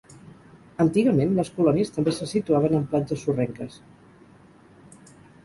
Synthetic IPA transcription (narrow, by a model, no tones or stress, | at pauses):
ənt̪iɣəmenləskulɔniəst̪əmbesəsit̪uaβ̞ənəmplad͡ʒəsurɛŋkəs